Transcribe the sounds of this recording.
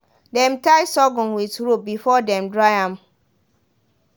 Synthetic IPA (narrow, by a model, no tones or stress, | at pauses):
dɛ̃mtaɪsɔɡɔ̃nwiθɹop̚bifɔdɛ̃mdɹajãm